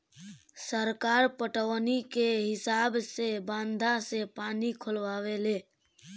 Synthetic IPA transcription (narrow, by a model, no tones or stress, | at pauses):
səɾkaɾpəʈəʋnikeɦɪsabsebãːnd̪ʱasepaːnikʰʊlʋawele